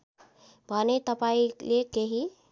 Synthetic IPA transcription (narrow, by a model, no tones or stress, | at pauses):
bʱanet̪əpailekeɦi